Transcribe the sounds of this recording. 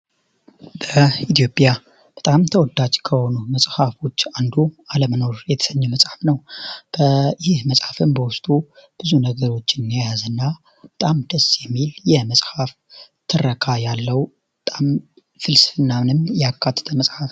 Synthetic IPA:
b̥əit̪ʰjo̞pʼja | b̥ət̪ʼamt̪ʰəwɔd̪ːad͡ʒkʰəho̞numəsʼhafo̞t͡ʃːand̪ualəməno̞ɾjɛt̪ʰə̥səɲːəməsʼħafnəwb̥əjɪhməsʼhafɨmbəwʊst̪ʼub̥ɨzunəɡəɾo̞t͡ʃːɪnːjajazɨnːa | bət̪ʼamd̪əsːjɛmːiljɛməsʼhaf | t̪ʰɨrːəkʰajalːəwbət̪ʼam | fɨlsɨɨnːamɨnɨmjɛakʰːat̪ʰːə̥t̪ʰəməsʼħaf

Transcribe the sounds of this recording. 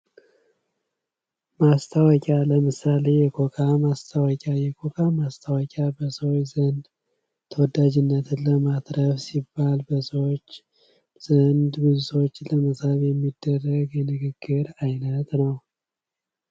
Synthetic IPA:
mast̪ʰəwɔkʲʼaləmɨsale̞jɛkʰʼokʰʼamast̪ʰəwɔkʼajɛkʰʼokʰʼamast̪ʰawɔkʼabəsəwojzənd̪ | t̪ʰəwɔd̪ad͡ʒɪnːət̪ləmad̪ɾəfsibːalbəsəwot͡ʃː | z̥ənd̪ɡɨzut̪ʰo̞t͡ʃːləməsaβjɛmːid̪ːərːəɡjɛnɨɡɨɡːɨɾajnət̪nəw

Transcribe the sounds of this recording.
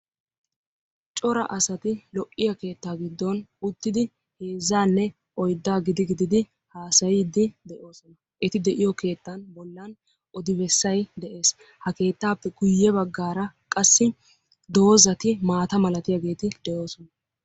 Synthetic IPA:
t͡ʃʼɔɾɐ̰ʔɐsɐt̪ɪlɔʔːɪjɐke̞ːt̪ːaːɡɪd̪ːɔnʊt̪ːɪd̪ɪ | he̞ːzːaːnːɛ | ʔɔjd̪ːaːɡɪd̪ɪɡɪd̪ɪd̪ɪ | haːsɐjɪd̪ɪd̪ɛʔo̞ːsɔnɐ | ʔɛt̪ɪd̪ɛʔɪjɔke̞ːt̪ːɐnbɔlːɐn | ʔɔd̪ɪbɛsːɐjd̪ɛʔe̞ːs | hɐke̞ːt̪ːaːpːɛɡʊjːɛbɐɡːaːɾɐkʼɐsːɪ | d̪o̞ːzɐt̪ɪmaːt̪ɐmɐlɐt̪ɪjɐɡe̞ːt̪ɪd̪̥ɛʔo̞ːsɔnɐ

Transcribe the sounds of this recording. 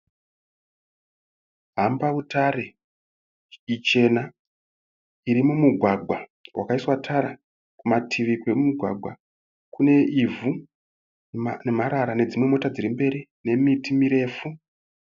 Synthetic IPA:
ɦambautaɾe | it͡ʃe̞na | iɾimumuɡʱwaɡʱwawʔa̰kaiswatʰaɾa | kumatʰiʋikwe̞mumuɡʱwa̰ɡʱwa̰ | kune̞ivu | ne̞maɾaɾane̞d͡zimwe̞mo̞tad͡ziɾimbe̞ɾine̞mitimiɾe̞ːfu

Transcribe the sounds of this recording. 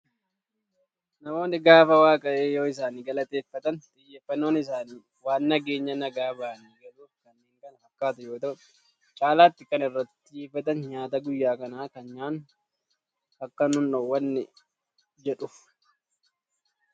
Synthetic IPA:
nɐmo̞ːnːɪɡaːfɐwaːkʼɐʔeːjoːɪs̬aːniːɡɐlɐt̪ʼe̞ːfːɐt̪ɐnt̪ʼɪjːeːfːɐnːo̞ːnɪs̬aːniː | waːnːɐɡe̞ːɲːɐnɐɡaːbaːniːɡɐluːfkɐnːeːŋkɐnɐɐkːaːt̪ʊjo̞ːt̪ɐʔʊ | t͡ʃʼaːlaːt̪ːɪkɐnɪrːɐt̪ːɪeːfɐt̪ɐnɲaːt̪ɐɡʊjːaːkɐnaːkɐnɲaːn | ɐkːɐnʊnːowːɐnːɪ | d͡ʒɛᶑʊf

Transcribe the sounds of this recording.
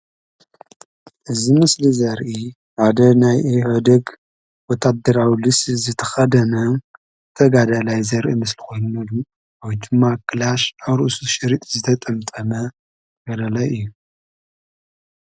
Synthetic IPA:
ʔɨzimɨslizɐɾʔi | ʕad̪ɐnajʕod̪ɐɡ | wɔt̪ʰad̪ːɐɾawlɨszɨt̪ʰɐ̥xɐd̪ɐnɐ | ɨt̪ʰɐɡad̪alajzɐɾʔimɨsliko̞jnunɐlu | ʔawd̪ɨmːakʰɨlaʃawɾɨʔusuʃɨɾit̪ʼzɨt̪ʰɐt̪ʼɐmt̪ʼɐmɐ | ɡ̥ɐd̪alajʔɨjːu

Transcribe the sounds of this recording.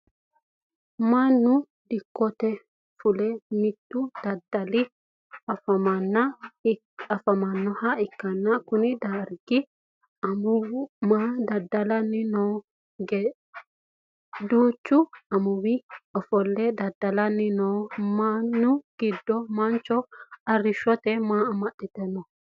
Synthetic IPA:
manːʊ | d̪ɪkːɔt̪ɛ | fʊlɛmɪt̪ːud̪̥ɐd̪ɐlɪ | ɐfɐmɐnːɐ | ɐfɐmɐnːɔhaɪkːɐnːɐkʊnɪd̪aɾɡɪ | ɐmmaːd̪ɐd̪ːɐlɐnːɪnɔ | ɡ | d̪oːt͡ʃːuɐmʊwiɔfɔlːɛd̪ɐd̪ːɐlɐnːɪnɔːmanːʊɡ̥ɪd̪ːɔmɐnt͡ʃɔɐrːɪʃɔt̪ɛmaːɐmɐɗːɪt̪ɛnːɔ

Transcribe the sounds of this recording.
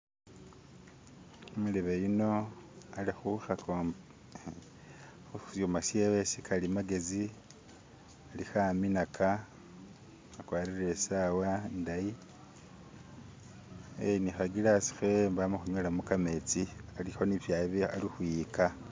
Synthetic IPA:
omuleβejuno̞alixuxa | usomasiewesikʰalimaɡe̞zi | alixaminakʰa | akwaːɾiɾe̞sawandaji | enixaɡilasi̥xe̞mbamoxuɲolamukame̞t͡sialixo̞niβjaβialixuika

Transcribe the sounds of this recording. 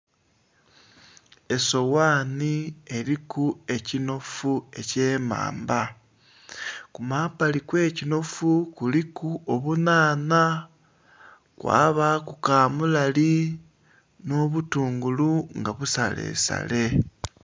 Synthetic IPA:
e̞so̞waːnie̞ɾikue̞cino̞fue̞ce̞ːma̰ːmba | kumaːpalikwe̞ːcino̞fukulikuoβunaːna | kwa̰ːβakukaːmulali | no̞ːβutuːŋɡuluŋɡaβusa̰le̞̰ːsa̰le̞

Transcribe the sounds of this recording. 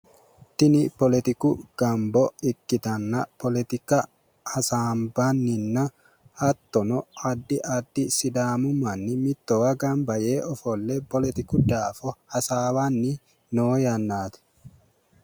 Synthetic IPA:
t̪ɪnɪpɔlɛt̪ɪkʊɡ̥ɐmbɔɪkːɪt̪ɐnːɐpɔlɛt̪ɪkɐ | hɐsaːmbɐnːɪnːɐ | hɐt̪ːɔnɔɐd̪ːɪʔɐd̪ːɪsɪd̪aːmʊmɐnːɪmɪt̪ːɔwɐɡɐnbɐjeːɔfɔlːɛpɔlɛt̪ɪkʊd̪aːfɔhɐsaːwanːɪ | noːjɐnːaːt̪ɛ̥

